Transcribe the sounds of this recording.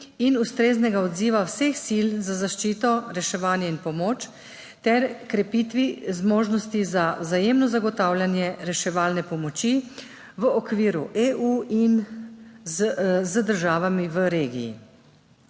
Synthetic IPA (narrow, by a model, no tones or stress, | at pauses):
inust̪ɾeːznɛɡaɔd̪ziːʋawsexsilzazaʃt͡ʃiːt̪ɔɾɛʃɛʋaːnjɛinpɔmoːt͡ʃ | t̪ɛɾkɾɛpit̪ʋizmoːʒnɔst̪izazajeːmnɔzaɡɔt̪aːwlʲjanjɛɾɛʃɛʋaːlnɛpɔmɔt͡ʃi | ʋəɔkʋiːɾuʔeʔuin | zəd̪əɾʒaːʋamiʋəɾeːɡḭj̰ː